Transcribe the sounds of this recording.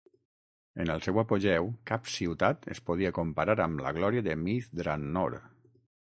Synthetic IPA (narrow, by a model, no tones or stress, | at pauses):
enəlˠsɛwapoʒɛwkapsiwt̪at̪ḛspoð̞iakompaɾaɾamlə̰ɣ̞lɔɾiaðəmiθd̪ɾanːo̰ɾ